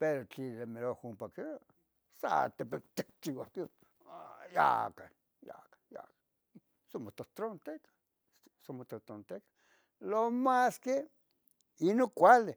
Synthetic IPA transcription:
peɾot͡ɬilemelohumpakea | sa̰t̪epet̪ek̚t͡ʃiwake | ja̰ka | ja̰kḁja̰kḁ | somot̪ot̪ɾont̪ekḁ | somot̪ot̪ɾont̪ekḁ | lomaske | inokʷale

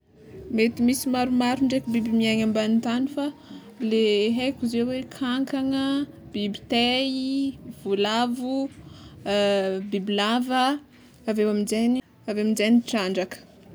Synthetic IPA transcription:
met̪imisimaɾumaɾuɳɖ͡ʐekibibimiaɲambanit̪anifa | leɦekuzewekʰaŋkaŋə | b̥ibit̪eiv̥ulavu | bibilavə | avewamizani | aveamizajniʈ͡ʂaɳɖ͡ʐakə̥

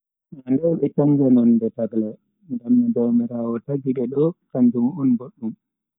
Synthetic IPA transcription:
nandɛwɓɛtaŋɡɛnɔndɛtaɡlɛ | ŋdamːadɔwmɛɾaːwɔtaɡiɗɛɗɔkaɲd͡ʒumɔnboɗːum

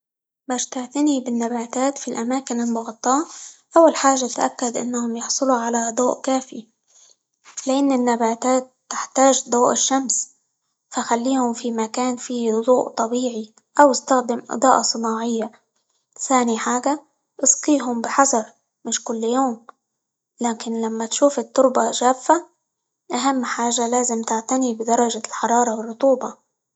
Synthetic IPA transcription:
baːʃt̪aʕt̪ɪnibɪnːabaːt̪aːt̪filʔamaːkɪnɪnbɑɣt̪ˤːɑːʔawːalħaːʒat̪ʔa̰kːad̪ʔɪ̰nːahʊmjɑħsˤɨluʕalad̪ˤuːʔkaːfi | lɪʔɪnːɪnːabaːt̪aːt̪ːɪħt̪aːʒd̪ˤuːʔɪʃːams | faxalːiːhʊmfimakaːnfiːhd̪ˤuːʔt̪ˤɑbiːʕi | ʔawɪst̪axd̪ɪmʔɨ̰d̪ˤɑːʔɑsˤɨnɑːʕɪjːa | θaːniħaːɡa | ʔɨsqiːɦʊmbɪħɑsˤɑɾˤ | mɪʃkʊlːjoːm | laːkɪnlamːat̪ʃuːfɪt̪ːʊɾbaʒaːffa | ʔaɦamːħaːʒalaːzɪmt̪ɪʕt̪anibɪd̪ɑɾˤɑʒalħɑɾˤɑːɾˤɑwɪrˤːʊt̪ˤuːbɑ

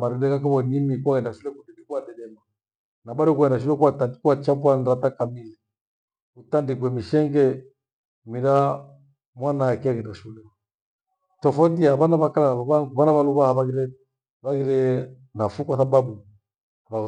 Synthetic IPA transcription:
maɾɛdɛkakaβɔnimikuaɣɛndaʃulɛkudɛdɛkwadɛɗɛma | naɓaɾiɔkuaɛndaʃ̬ulɛkuwatandikuat͡ʃapwanɾatakamili | utandik̬wɛmiʃɛŋɡɛ | miɾa | mwanaakiaɣɛndaʃulɛ | tɔfɔndiaβanaβakalaβaβaŋɡuβanaβaluβahaβaɣiɾɛ | βaɣiɾɛ | nafukwaθaɓaɓu | βa

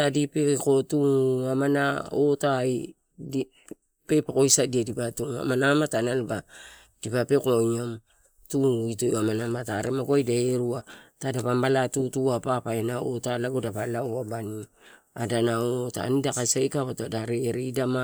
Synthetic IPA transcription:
adipeko̞tuamanaotaj | d | pe̞pako̞jsadiadipatua̰manamatanalba | d̥ipape̞koɲam | tuitojamanamataɾemaɡoajdaeɾuatadapambalatutuapapaenao̰talaɡodapalawabani | adanaota̰nidakasajkaβatadaɾeɾiidama

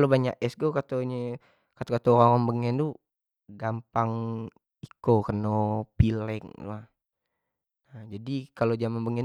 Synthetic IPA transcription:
lobaɲa̰kɛsɡokat̪oɲə | kat̪okat̪oɾaŋaŋbəŋɛnt̪u | ɡampaŋ | ikokənopilɛŋtṵa | ad͡ʒadikalod͡ʒamanbəŋɛn

